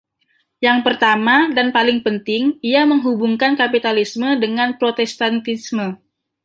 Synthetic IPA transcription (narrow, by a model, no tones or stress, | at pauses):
jaŋpərt̪amadanpalɪŋpənt̪ɪŋiaməŋɦubuŋkankapit̪alismədəŋanpɾot̪ɛst̪ant̪ismə